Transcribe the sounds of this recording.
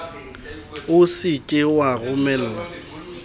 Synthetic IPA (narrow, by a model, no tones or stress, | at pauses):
ʊsɪkʼɪwaɣʊmɛl̩ːla